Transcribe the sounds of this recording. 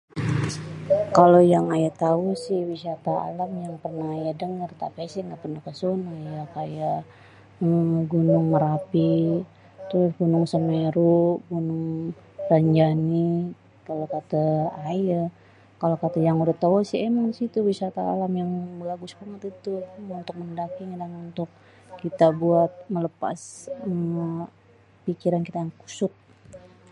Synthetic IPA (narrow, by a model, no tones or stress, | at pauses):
kalojaŋajat̪ausɪhwisat̪aa̰lamjaŋpərnaɦajadəŋərt̪a̰pasɪhŋɡaʔpərnakəsonajakajaʔ | əɡunʊŋməɾapi | t̪ɾʊsɡunʊŋsəmeɾuɡunʊŋ | ɾaɲd͡ʒani | kalokat̪aajə | kalokat̪ajaŋudaht̪awasiemaŋsit̪uwisat̪a̰ːlamjaŋbəɡaɡusbaŋət̪it̪uunt̪ʊk̚məndakɪŋdanunt̪ʊk̚ | kit̪abuat̪̚mələpa̰sə | pikiɾankit̪ajaŋku̥sʊt̪̚